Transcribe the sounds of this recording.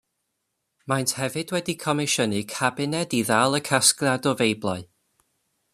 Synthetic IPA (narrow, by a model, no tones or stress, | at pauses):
majntʰhɛvɨdwɛdikʰɔmɪʃənɨkʰabɪnɛdiðalˠəkʰaskradɔvejblˠaɨ